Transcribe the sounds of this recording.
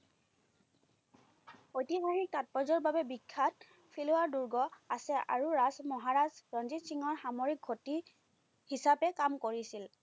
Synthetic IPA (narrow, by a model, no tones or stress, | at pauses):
otiɦaɹik̚tat̚pɔzɔɹbabɛbikʰːat̚ | pʰilʊwaɹduɹɡɔasɛʔa̰ɹuɹazmɔɦaɹazbɹɔnzitsiŋɔɹxamoɹik̚ɡʱoti | hisapɛkamkoɹisil